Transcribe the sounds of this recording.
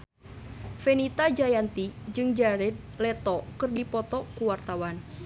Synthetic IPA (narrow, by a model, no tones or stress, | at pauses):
fenit̪ad͡ʒajant̪id͡ʒɨŋd͡ʒaɾɛd̪̚ | lɛt̪ɔkərdipɔt̪ɔkuwart̪awan